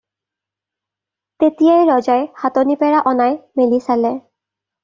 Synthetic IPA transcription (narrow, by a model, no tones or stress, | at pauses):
tetijajɹɔzajxatonipɛɹaʔɔnajmelisalɛ